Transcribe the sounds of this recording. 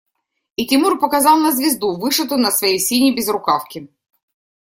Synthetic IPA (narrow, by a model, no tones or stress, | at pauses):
itʲimurpɔkɐzɑwnɐzʲʋʲizd̪uʋɪʃɐt̪ʊnɐsʋɔjisʲinʲibʲizɾʊkɑwkʲɪ